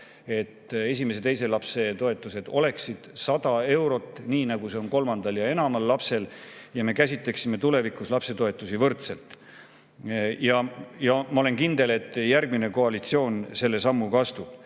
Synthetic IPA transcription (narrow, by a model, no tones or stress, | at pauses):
e̞t̪ːe̞sʲimesed̪e̞js̬e̞lɑpse̞t̪o̞e̞t̪ːˑuse̞d̪̥o̞le̞ksid̪̥sɑd̪̥ɑe̞wɾo̞t̪ːˑniːnɑɡ̥use̞o̞nko̞lmɑnd̪̥ɑljɑe̞nɑmɑlːɑpse̞ljɑme̞kæsʲit̪ˑle̞ksime̞t̪ule̞vikuslɑpse̞t̪o̞e̞t̪ːˑusivɤrt̪se̞lt̪ˑ | jɑjɑmɑo̞le̞nkind̪e̞le̞t̪ːˑjærɡ̥̚mine̞ko̞ɑlit̪sio̞ːnse̞lːe̞sɑmːukɑst̪ub̥